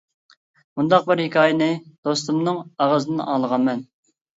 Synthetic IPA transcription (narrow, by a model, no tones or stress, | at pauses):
mund̪ɑq̚bɪɾhɪkʲʰɑːjɪnɨd̪̥ost̪umnɨŋɑʁəzɨnɨnɑ̰ːlˠəʁɑnmɛn